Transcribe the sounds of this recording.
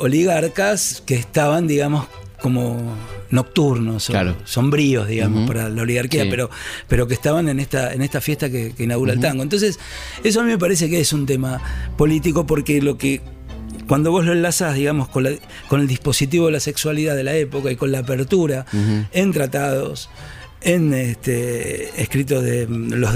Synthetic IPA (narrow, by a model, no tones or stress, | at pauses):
o̞liɣaɾkaskeːhst̪aβand̪iɣamo̞sko̞mono̞k̚t̪uɾno̞soaɾoso̞mbɾio̞zðiɣamospaɾalao̞liɣaɾkiapeɾo̞peɾo̞k̬eht̪aβanenest̪aḛnest̪afje̞ht̪akekeinaɣuɾaelt̪aŋɡont̪o̞ns̬e̞s | e̞s̬oamĩme̞p̬aɾes̬e̞keesunt̪emapo̞lit̪iko̞po̞ɾkelo̞ke | kwand̪o̞βo̞zlo̞enlasaðiɣamo̞sko̞nla | ko̞neld̪ihpo̞sit̪̬iβoðelase̞kswaliðaðe̞laepo̞kaiko̞nlaːpeɾt̪uɾae̞nt̪ɾat̪að̞o̞s | enet̪eḛhkɾit̪̬oðelo